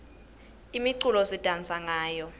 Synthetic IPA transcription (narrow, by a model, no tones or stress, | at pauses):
imiǀulɔsitʼant͡sʼaŋaːjɔ